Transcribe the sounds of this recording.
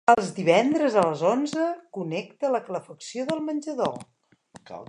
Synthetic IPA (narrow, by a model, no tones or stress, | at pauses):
əlˠzd̪iβɛnd̪ɾəzələzonzəkunɛk̚t̪ələkələfəksijoðəlˠmənʲʒəðo̰